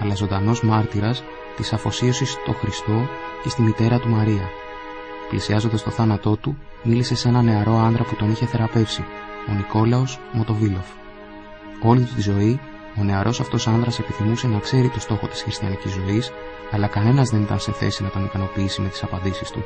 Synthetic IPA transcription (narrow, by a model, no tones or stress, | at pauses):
ɐlɐzo̞nd̪ɐno̞zmɐɾt̪iɾɐs | t̪isɐfo̞sio̞sist̪o̞xɾist̪o̞ce̞st̪imit̪e̞ɾɐt̪umɐɾiɐ | plisiɐzo̞nd̪ɐst̪o̞θɐnɐt̪o̞t̪u | milise̞se̞nɐne̞ɐɾo̞ɐnðɾɐput̪o̞niçe̞θe̞ɾɐpe̞fsio̞niko̞lɐo̞smo̞t̪o̞vilo̞f | o̞lit̪ut̪izo̞i | o̞ne̞ɐɾʔo̞sɐft̪o̞sɐnðɾɐse̞piθimuse̞nɐkse̞ɾit̪o̞st̪o̞xo̞t̪i̥sxɾist̪çɐnicizo̞is | ɐlɐkɐne̞nɐzðe̞nit̪ɐ̰nse̞θe̞sinɐt̪o̞nikɐno̞piisime̞t̪i̥sɐpɐnd̪isist̪ṵ